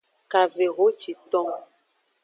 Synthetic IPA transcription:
ka˨ve˨ɣo˨˦t͡ʃi˨t̪ɔ̃˦

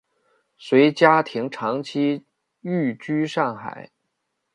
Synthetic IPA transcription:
swe˧˥ɪt͡ɕja˥t̪ʰi˧˥ŋʈ͡ʂʰɑ˧˥ŋt͡ɕʰi˥ | y˥˩t͡ɕy˥ʂɑ˥˩ŋxa̰˨˩˦ɪ

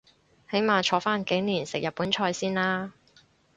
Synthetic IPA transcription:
he˨˥jmaː˨˧t͡ʃʰɔː˨˧˥faː˥nke˨˥niː˨˩nsɪ˨k̚jɐ˨t̚pːuː˨˥nt͡ʃʰɔː˧jsiː˥nlaː˥

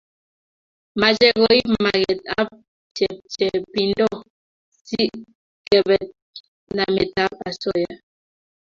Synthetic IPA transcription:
ma˨d͡ʒɛ˦ɣɔ˨i˦mma˨ɣɛ˨t̚a˦p̚ | t͡ʃɛ˨p̚t͡ʃɛ˨pi˨ndɔ˦˨ | si˦ʔ | kɛ˨bɛ˨t̚ | na˨me˨ta˦p̚a˨sɔ˦ja˨

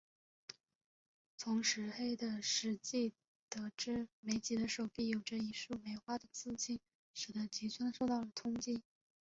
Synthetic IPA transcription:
t͡sʰʊ˧˥ŋʂɻ̩˧˥xe˥ɪd̪ə˨ʂɻ̩˧˥t͡ɕi˥˩ | t̪ɤ˧˥ʈ͡ʂɻ̩˥˩me˧˥ɪt͡ɕi˧˥d̪ə˧ʂo˨˩ʊpi˥˩jo˨˩ʊʈ͡ʂə˧i˧˥ʂu˥˩me˧˥ɪxwa˥d̪ə˨˩t͡sɹ̩˥˧t͡ɕʰi˥˩n | ʂɻ̩˨˩d̪ə˧˥t͡ɕi˧˥t͡sʰwə˥nʂo˥˧ʊt̪ɑ˥˩ʊlə˩t̪ʰʊ˥ŋt͡ɕi˥n

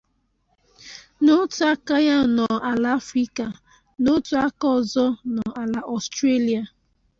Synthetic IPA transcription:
no˦tu˦a˦ka˦ja˦˨nɔ˨a˨la˨˦fɾi˦ka˨ | no˦tu˦a˦kɔ˦˨zɔ˦nɔ˨a˨la˨ʔɔ˨stɾe˦li˨a˨

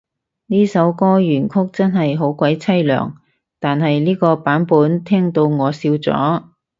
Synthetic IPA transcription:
niː˥sɐ˨˥wkɔː˥jyː˨˩nkʰʊ˥k̚t͡sɐ˥nɦɐ˨jɦo˨˥wkwɐ˨˥jt͡sʰɐ˥jlœ̰ː˨˩ŋ | t̪aː˨nhɐ˨jliː˥kɔː˧paː˨˥npuː˨˥nt̪ʰɛː˥ŋt̪o˧wŋɔː˨˧siː˧wt͡sɔ̰ː˨˥

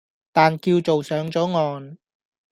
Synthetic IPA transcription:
t̪aː˨nkiː˧wt͡so˨wsœː˨˥ŋt͡sɔː˨˥ŋɔː˨n

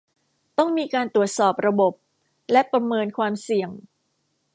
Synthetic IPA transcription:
t̪ɔ˥˩ŋmiː˧kaː˧nt̪ɾu˨˩ət̪̚sɔː˨˩p̚ɾa˧bo˨˩p̚ | lɛ˦˥pɾa˧mɤː˧nkʰwaː˧msi˨˩əŋ

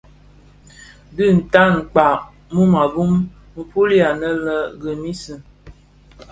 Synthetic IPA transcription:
dɨ˦˨n̩˨ta˦ŋ̩˨k͡pa˨ | mu˦ma˨bu˦m | m̩˨pu˦li˦a˨nə˦lə˦ɡə˨mi˦sə˨

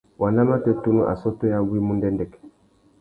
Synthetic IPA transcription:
wʔa˨la˦ma˦tɛ˦tu˦nu˦ʔa̰˨sɔ˦tɔ˦ja˦ɡwi˦mu˦ndɛ˦ndɛ˨kɛ̥˨

